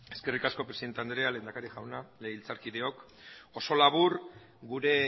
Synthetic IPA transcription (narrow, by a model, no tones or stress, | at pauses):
e̞ske̞rikasko̞pɾeiðet̪eand̪ɾeale̞ːnd̪akaɾiʝawnaleilt͡saɾkiðe̞o̞k | o̞so̞laβur | ɡuɾe̞